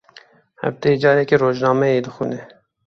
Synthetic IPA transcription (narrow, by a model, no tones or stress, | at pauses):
hɛ̰vd̪ed͡ʒɑːɾɛkeroːʒnɑːmɛjeːd̪ɨxṵːnɛ